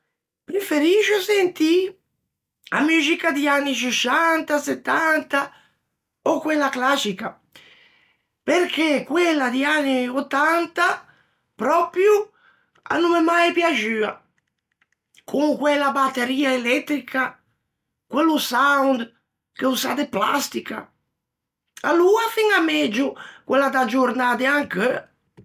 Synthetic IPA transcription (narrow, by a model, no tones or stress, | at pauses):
pɾefeɾiʃʊsent̪i | a̰myd͡ʒikad̪ianːit͡ʃiʃant̪aset̪ːant̪a | okwelːaklat͡ʃika | peɾkʰekːwelːad̪ianːiot̪ːant̪a | pɾɔpɾju | a̰numemajpjad͡ʒyːa | kʰuŋkwɛlabat̪ːeɾiːaelɛt̪ːɾikʰa | kwelusawnd̪ | keuza̰d̪epla̰st̪ika̰ | aluafiŋamɛd͡ʒʊkwelːad̪ad͡ʒuɾnad̪ɪaŋkə